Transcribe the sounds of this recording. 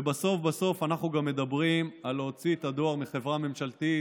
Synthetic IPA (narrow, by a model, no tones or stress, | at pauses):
ebaso̞fbaso̞fanaχnuɡamːe̞d̪abʁimalo̞t͡siet̪ad̪o̞aʁmiχe̞vʁame̞mʃalt̪i